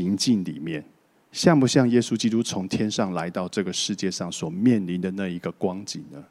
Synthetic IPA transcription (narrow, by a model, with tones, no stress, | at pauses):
i˧˥ŋt͡ɕi˥˩nlḭ˨˩mjɛ˥˨n | ɕjɑ˥˨ŋpu˧˩ɕjɑ˥˩ŋje˥su˥t͡ɕi˥t̪u˦t͡sʰʊ˧˥ŋt̪ʰjɛ˥nʂɑ˥˩ŋla˧˦ɪt̪ɑ˥˧ʊʈ͡ʂɤ˥˩ɡə˩ʂɻ̩˥˧t͡ɕjɛ˥˧ʂɑ˥˩ŋswɔ˨˩mjɛ˥˩nli˨˥nd̪ə˨na˥˩i˧˥ɡə˧kwɑ˦ŋt͡ɕḭ˨˩nnə˦